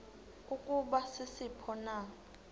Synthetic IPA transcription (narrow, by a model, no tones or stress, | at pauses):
ukʼuɓasɪsipʰɔna